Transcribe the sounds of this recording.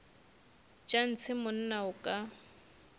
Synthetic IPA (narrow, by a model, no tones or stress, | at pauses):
t͡ʃʼan̩t͡sʰɪmʊn̩naʊkʼa